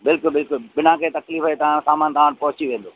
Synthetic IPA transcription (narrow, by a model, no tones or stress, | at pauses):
bɪlkʊlbɪlkʊlɓɪnãkʰeːt̪ɐkliːfɦəet̪ɐʋãɽsaːmaːnt̪ɐʋãːɽ̃pɐɦʊt͡ɕiʋẽːn̆d̪oː